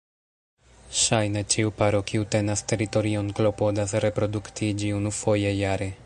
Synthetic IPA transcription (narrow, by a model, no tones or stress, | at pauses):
ʃajnat͡ʃiwpaɾokiwt̪ɛnast̪eɾit̪oɾionklopod̪asɾepɾod̪ukt̪id͡ʒiunufojejaɾe